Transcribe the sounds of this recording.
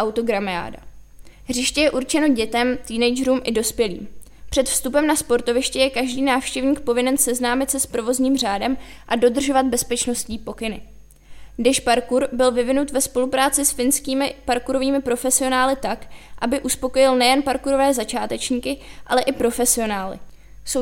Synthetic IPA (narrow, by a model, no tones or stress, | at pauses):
ʔawt̪o̞ɡɾamɪa̰ːda̰ | ɦrɪʃcɛjɛʔuɾt͡ʃɛno̞ɟɛt̪ɛmt̪iːnɛjd͡ʒɛɾuːmʔɪdo̞spjɛlḭːm | pr̝̥ɛt̪fst̪upɛmnaspo̞ɾt̪o̞vɪʃcɛjɛkaʒdiːnaːfʃcɛvɲiːkpo̞vɪnɛnsɛznaːmɪt̪sɛspɾo̞vo̞zɲiːmr̝aːdɛm | ʔado̞d̪r̩ʒo̞vad̪̚bɛspɛt͡ʃno̞sciːpo̞kɪnɪ | dɪʃpaɾkuɾbɪlvɪvɪnut̪vɛspo̞lupɾaːt͡sɪsfɪnskiːmɪpaɾkuɾoviːmɪpɾo̞fɛsɪo̞naːlɪt̪akʔabɪʔuspo̞ko̞jɪlnɛjɛnpaɾkuɾo̞vɛːzat͡ʃaːt̪ɛt͡ʃɲiːkɪʔalɛʔɪpɾo̞fɛsɪo̞naːlɪ̰ | so